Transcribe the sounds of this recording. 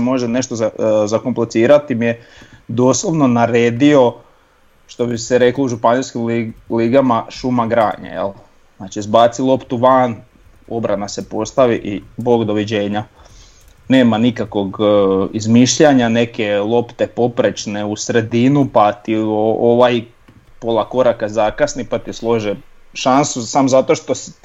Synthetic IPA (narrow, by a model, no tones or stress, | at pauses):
mo̞ʒene̞ʃt̪ozazakomplet̪siːɾat̪imije | d̪o̞ːslˠo̞ʋno̞naɾeːd̪io̞ | ʃt̪o̞biseɾe̞klouʒupanilskimliɡamaʃumaɡɾa̰ːɲa̰jḛl | znaːt͡ʃizbaːt̪silˠo̞pt̪uʋan | o̞bɾanasepo̞st̪aʋiʔibo̞ːɡd̪o̞ʋid͡ʑe̞ːɲa | neːmanikakʋo̞ɡizmiʃʎaɲane̞ke̞lˠo̞pt̪e̞po̞pɾet͡ʃneusɾe̞d̪inupat̪iooʋaj | polˠako̞ɾakazakasnipat̪islˠo̞ʒe | ʃansusamozat̪oʃt̪o̞s